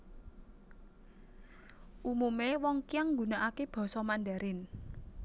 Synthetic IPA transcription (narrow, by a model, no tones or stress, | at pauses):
ʔumumewɔŋkiaŋɡṳnaʔakeb̥ɔ̤sɔmanɖaɾɪn